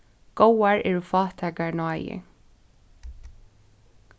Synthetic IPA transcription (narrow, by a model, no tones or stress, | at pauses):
ɡ̥owaɹɛːɹufɑːt̪ʰɛːkaɹnɔːjɪ̰